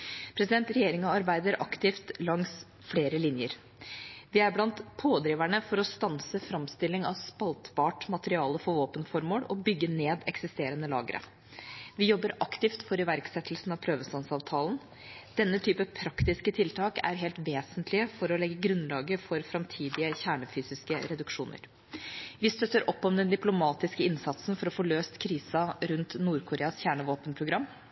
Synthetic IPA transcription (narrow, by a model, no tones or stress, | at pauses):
pʰɾɛsɪd̪ɛnt̪ɾɛjeːɾɪŋɑɑɾbæɪd̪əɾʔɑkt̪ɪft̪lɑŋs | fleːɾəlɪnjəɾ | ʋɪæɾblɑnt̪pʰoːd̪ɾiːʋæɳəfɔɾɔst̪ɑnsəfɾɑmst̪ɪlːɪŋɑ̰ʋspɑlt̪bɑːʈmɑt̪əɾɪɑːləfɔʋoːpənfɔɾmoːɽɔbʏɡːəneːd̪ɛksɪst̪eːɾənəlɑ̰ːɡəɾʔə̰ | ʋɪjɔbːəɾʔɑkt̪ɪft̪fɔɾɪʋæɾksɛt̪ʰːlsn̩ɑʋpʰɾøːʋəsɑnsɑːʋt̪ʰɑːlən | d̪̥ɛnːət̪ʰyːpəpʰɾɑkt̪ɪskət̪ʰɪlt̪ʰɑːkæ̰ɾɦɛːlt̪ʋeːsənt̪ʰlɪəfɔɾɔlɛɡːəɡɾʉnlɑːɡəfɔɾfɾɑmt̪ʰiːd̪ɪəçæːɳəfyːsɪskəɾɛd̪ʉkʂuːnə̰ɾ | ʋɪst̪œt̪ːəɾʔɔpːɔmd̪ɛnd̪ɪplʊmɑːt̪ɪskəɪnsɑt̪snfɔɾɔfɔɭøːst̪kʰɾiːsɑɾʉnt̪nuːɾkʰʊɾeːɑsçæːɳəʋoːpənpʰɾʊɡɾɑmː